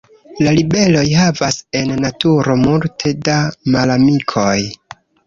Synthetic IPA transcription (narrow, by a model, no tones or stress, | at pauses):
lalibe̞lo̞jɦavase̞nːatuɾo̞multʰe̞damalamikʰo̞j